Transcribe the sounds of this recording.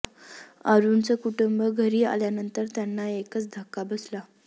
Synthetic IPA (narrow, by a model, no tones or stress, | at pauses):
aɾunt͡səkuʈumbəɡʱəɾiːa̰ljanənt̪əɾt̪janːaekət͡sd̪ʱəkːabəsla